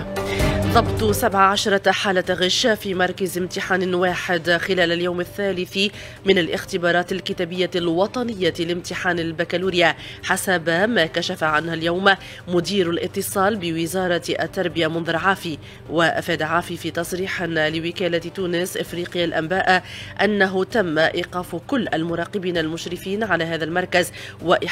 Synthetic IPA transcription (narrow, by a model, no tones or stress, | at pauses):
ðˤɑbt̪ˤsabʕaʕaʃɾˤɑħaːlaɣɪʃːafiːmɑɾˤkazɪmt̪ɪħaːnwaːħɪd̪xɪlæːlaljawmaθːaːlɪθi | mɪnalʔɪxt̪ɪbɑːɾˤɑːt̪ɪlkɪt̪aːbɪjːalwɑt̪ˤɑnɪjːalɪmt̪ɪħaːnalbakaluːɾɪja | ħasabmaːkaʃafaʕanhaljawm | mʊd̪iːɾalʔɪt̪ːɨsˤɑːlbɪwɪzɑːɾˤɑʔa̰t̪ːɑɾˤbɪjamʊnðʊʕaːfi | waʔafaːd̪aʕaːfifiːt̪ɑsˤɾiːħɪnlɪwɪkaːlat̪uːnɪsʔɪfɾiːqɪjalʔambaːʔaʔanːaɦʊt̪amːaʔiːqɑːfkʊlːʔalmʊɾˤɑːqɪbiːnalmʊʃɾɪfiːnʕalaːɦaːðalmɑɾˤkazwaʔɪ